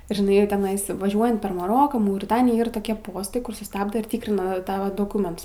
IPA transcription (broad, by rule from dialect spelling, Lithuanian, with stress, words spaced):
ʒʲɪˈnɐɪ jɛʊ tʲɛˈnɐɪs ʋɐˈʒʲuɔjɛnt pʲɛr mɐˈroːkɑː mɐʊrʲɪˈtɑːnʲɪjæː ˈɪr toːˈkʲiɛ ˈpoːstɐɪ ˈkʊr sʊˈstɑːbdɐ ɪr ˈtʲiːkrʲɪnɐ ˈtɑːʋɐ doːˈkʊmʲɛnts